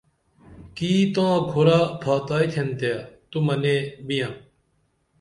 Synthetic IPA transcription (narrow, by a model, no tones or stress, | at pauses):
kiːt̪ãːɡʱoɾaːbʰʱaːt̪aːiːt̪ʰent̪ejaːt̪uməneːbɪjãː